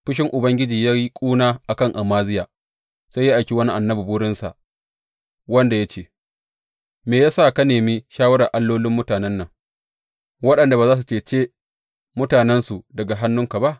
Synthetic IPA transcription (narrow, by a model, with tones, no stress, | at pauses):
ɸɪ˦ʃ̬ɪ˦ŋʔʊ˨bɐ˦ŋɡʲɪ˦d͡ʒiː˨jaː˦i˦kʷʼuː˦naː˦ʔa˨kɐ˦˨ŋʔa˨maː˦zɪ˦jaː˨ | sa˦jaː˦ʔa˨jkʲi˦wɐ˦ni˦ʔa˨nːɐ˦bi˨bʊː˦ɽɪ˦nsa̰˨ʔ | wɐ˦nda˨ja˦t͡ʃeː˦˨ | meː˨jaː˦sa˦˨ka˦neː˨miː˦ʃaː˦wɐ˦ɽa˨ʔa˦lːoː˦lɪ˦mːʊ˦taː˨nɛ˦nːɐ˨ŋ | wɐ˦ɗɐ˨nda˨baː˨zaː˦s̬u˨t͡ʃeː˨t͡ʃeː˦ | mʊ˦taː˨nɛ˦nsu˨dɐ˨ɡa˨ɦa˦nːʊ˦ŋka˨ba˦ʔ